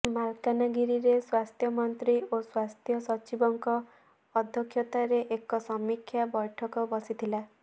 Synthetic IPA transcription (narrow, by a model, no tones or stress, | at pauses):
malkanaɡiɾiɾeswast̪ʰjɔmɔnt̪ɾioswast̪ʰjɔsɔt͡ʃibɔŋkɔː | d̪ʱjɔkʰjɔt̪aɾeʔekɔsɔmikʰːjabɔjʈʰɔkɔbɔsit̪ʰila